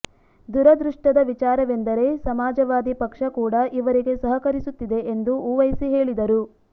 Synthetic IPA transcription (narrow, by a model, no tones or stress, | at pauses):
d̪uɾɐd̪ɾuʂʈɐd̪ɐʋit͡ʃaːɾɐʋe̞nd̪ɐɾe̞sɐmaːd͡ʒɐʋaːd̪ipɐkʂɐkuːɽɐʔiʋɐɾiɡe̞sɐɦɐkɐɾisut̪ːid̪e̞ʔend̪uuʋɐjsiɦe̞ːɭid̪ɐɾu